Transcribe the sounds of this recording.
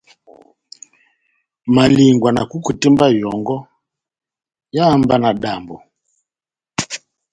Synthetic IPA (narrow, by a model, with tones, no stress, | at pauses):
ma˨li˨ŋɡwa˨na̰˨ku˦ku˨tɛ˦mba˦jɔ˨ŋɡɔ˦ | jaː˦mba˦na˨ɗa˨mbɔ˨